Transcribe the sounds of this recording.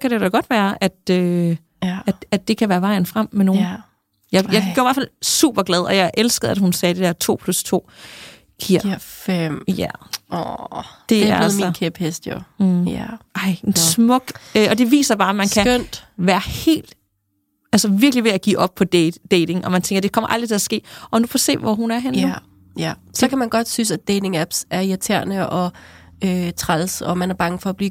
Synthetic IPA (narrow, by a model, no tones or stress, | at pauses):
kʰæɾed̥ɒɡ̥ɒ̽d̥ʋæːɐʔæd̥ø | æd̥æd̥ːe̝kʰæʋæːɐʋɑ̈ɪ̰n̩fʁam̰ːeno̝ːn | jɑ̈ɪjɑɪɡ̥øɐæɐfælsṵːb̥ɐɡ̥lɛð̞ˠɒ̽jɑ̈ɪʔelsɡ̥əð̩ˠædhunsɛːd̥e̝d̥eɐt͡sʰo̝̰ːpʰlust͡sʰo̝̰ː | ɡ̥ʰiɐ̰mjæɔd̥e̝æɐæð̩mikʰeb̥hesd̥joæʔɑ̈ɪ̰ensmɔ̽ɡ̥øʔɒ̽d̥e̝ʋḭːsɐb̥ɑ̈ːæmænkʰæøn̰d̥ʋæːɐhe̝̰ːld̥ | ælsəʋiɐɡ̥liʋe̝æɡ̥ḭːʔɒ̽b̥̚pʰɒ̽de̥ːeɪde̝ŋʔɒ̽mænt͡sʰeŋɡ̥ɐd̥e̝kʰɒ̽mɐʔɑ̈ld̥ʁit͡sʰe̝æsɡ̥e̝̰ːʔɒ̽nupʰɒse̝̰ːʋɒɦunæɐɦen | jæsɒkʰæmænɡ̥ɒ̽d̥sysæd̥eɪde̝ŋæb̥sæɐiæt͡sʰæɐ̰nəʔɒ̽øt͡sʰʁalsɒmænæɐb̥ɑ̈ŋəfɒ̽ːb̥liː